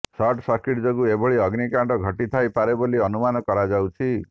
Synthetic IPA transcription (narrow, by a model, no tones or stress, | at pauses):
sɔʈsɔɾkiʈd͡ʒoɡueboɭiɔɡnikaɳɖɔɡʱɔʈit̪ʰajpaɾeboliɔnumanɔkɔɾad͡ʒawt͡ʃʰi